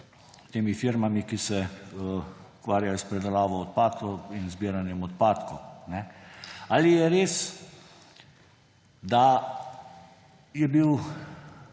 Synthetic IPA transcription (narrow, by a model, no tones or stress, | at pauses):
t̪eːmifiɾmamikisɛ | ukʋaːɾjajɔspɾɛd̪alaːʋɔɔt̪̚paːt̪kɔinzbiːɾanjɛmɔt̪̚paːt̪kɔnɛalijɛɾeːs | d̪a | jɛbiw